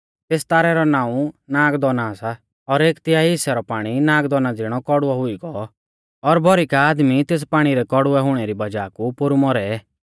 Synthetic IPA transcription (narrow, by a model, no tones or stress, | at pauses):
t̪eːst̪aːɾɛɾɔnaːũnaːɡd̪ɔnasa | ɔɾeːkt̪ɪaːiɦɪsɛɾɔpaːɽ̃inãːɡd̪ɔnad͡zɪɽ̃ɔkɔɽʊaɦʊiɡɔ | ɔɾbʱɔɾikaːd̪mit̪eːs̬paːɽ̃iɾɛkɔɽʊɛɦʊɽ̃ɛɾibɐd͡ʒaːkupʊɾumɔɾɛɛ